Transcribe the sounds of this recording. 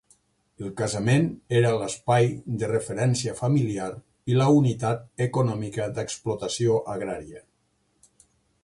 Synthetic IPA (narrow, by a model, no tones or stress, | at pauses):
əlˠkazameneɾələspajd̪ərəfəɾɛnsiəfamiliaɾ | iləunit̪at̪̚ekonɔmikəd̪əksplot̪əsioʔaɣɾaɾiə